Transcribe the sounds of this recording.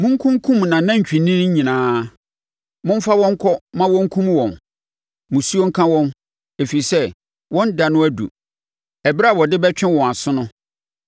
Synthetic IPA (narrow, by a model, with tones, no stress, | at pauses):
mʊ̃˦ŋ̩˦kʰũ˦ŋ˦kʰũ˦mnã˨nã˦ɲ̩˨t͡ɕᶣĩ˨nĩ˦ñ˦ɲ̩˦ɲĩ˨nãː˦ | mʊ̃˦m̩˦fa˦wɔ̃˦ŋ̩˦kʰɔ˦mã˦wɔ̃˦ŋ̩˦kʰũ˦mwɔ̃˨n | mũ˨su˦o˦ŋ̩˦kʰã˦wɔ̃˦n | e˨fi˨i˨sɛ˦ | wɔ̃˦n˦da˨nʊ̃˦æ˦dṵ˨ | ɛ˨bɾa˦˨wɔ˨dɪ˦bɛ˦t͡ɕᶣɪ̃˦wɔ̃˨a˨sʊ˦nʊ̃˦